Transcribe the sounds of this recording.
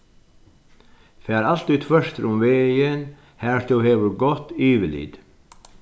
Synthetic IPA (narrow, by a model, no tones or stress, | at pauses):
fæːɾalt̪ʉːt̪fœʂt̪ɾʊmʋeːjən | hæːʂt̪uːheːʋəɾɡɔt̪iːʋɪlḭd̪̥